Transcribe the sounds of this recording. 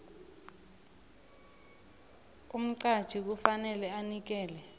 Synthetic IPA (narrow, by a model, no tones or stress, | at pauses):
um̩ǀḁʒ̥ʱik̬ufanɛlɛanik̬ɛːlɛ